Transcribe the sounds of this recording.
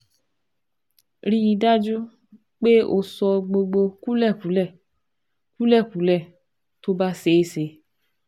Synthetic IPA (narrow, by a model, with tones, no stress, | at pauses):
ɾi˧i˧da˦d͡ʒu˦ | k͡pe˦o̰˧sɔ˧ɡ͡bo˧ɡ͡bo˧ku˦lɛ˦˨kũ˨˦lɛ˦˨ | ku˦lɛ˦˨kũ˨˦lɛ˦˨ | to˦ba˦se˧i˦˧se˨˦